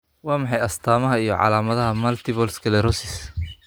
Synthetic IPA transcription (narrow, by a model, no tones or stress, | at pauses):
wɑːmɑħɑjɐst̪ʰaːmɐɦɐijɔʕɑ̰laːmɐðɐɦɐmɐlt̪ʰɪβɔlskʰɐlɛɾɔsɪs